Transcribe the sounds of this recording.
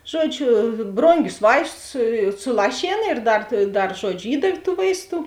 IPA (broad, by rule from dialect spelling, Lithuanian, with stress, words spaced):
ˈʒuɔˌd͡ʒʲʊ ˈbroːŋʲɡʲʊs ˈʋɐɪstʊs sʊˈlˠɑːʃʲeːn ɪr ˈdɐr ˈdɐr ˈʒuɔd͡ʒʲʊ ˈiːdɐw tuː ˈʋɐɪsˌtuː